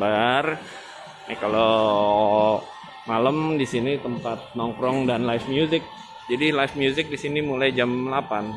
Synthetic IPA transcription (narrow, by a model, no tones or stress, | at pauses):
baar | jakalo | maləmdisinit̪əmpat̪̚nɔŋkɾɔŋdanlajfmjuzɪk̚ | d͡ʒadilajfmjuzɪk̚disinimulajd͡ʒamlapan